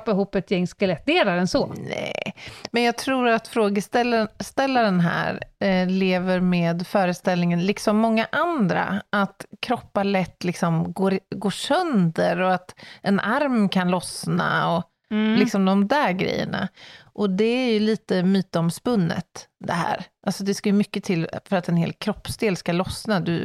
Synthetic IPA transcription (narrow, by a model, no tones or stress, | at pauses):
pːɪɦuːpːɛt̪jɛŋːskalɛt̪̚d̪eːlaɾɛnsɔnɛ̰mɛnjɑːɡ̚t̪ʰɾuːɾat̪fɾoːɡəst̪ɛlːst̪ɛlːaɾənɦæ̰ːɾleːvəɾmeːd̪fœːɾəst̪ɛlnɪŋənlɪksɔmːɔŋːaʔand̪ɾa̰ʔat̪kʰɾɔpːaɭɛt̪ːlɪksɔmɡoːɾɡoːʂœnd̪əɾɔat̪ɛnʔaɾmkʰanlɔsna̰ɔ | lɪksɔmd̪ɔmd̪æːɾɡɾɛ̰jːə̰ɳa̰ʔɔd̪ɛæɾjɵliːt̪əmyːt̪əɔmspɵnːə̰t̪d̪ɛ̰ɦæ̰ːɾʔalsɔd̪ɛskajɵmʏkːət̪ʰɪlfœɾat̪ɛnhḛːlkʰɾɔpːsd̪eːlskalɔsnad̪ɵ̰